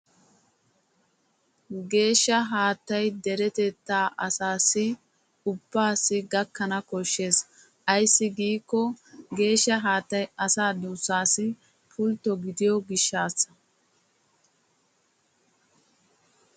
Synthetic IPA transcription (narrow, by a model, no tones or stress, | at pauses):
ɡe̞ːʃːɐɦaːt̪ːɐjd̪ɛɾɛt̪ɛt̪ːaːʔɐsaːsːɪ | ʊb̥ːaːsɪɡɐkːɐnɐkɔʃːe̞ːs | ɐjsːɪɡiːkːɔɡe̞ːʃːɐɦaːt̪ːɐjʔɐsaːd̪uːsːaːsɪ | pʰʊlt̪ːɔɡɪd̪ɪjɔɡɪʃːaːsːɐ̥